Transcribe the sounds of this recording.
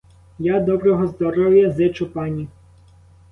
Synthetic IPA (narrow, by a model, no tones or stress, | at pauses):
jad̪ɔbɾɔɦɔzd̪ɔɾɔwjɐzɪt͡ʃʊpɑnʲi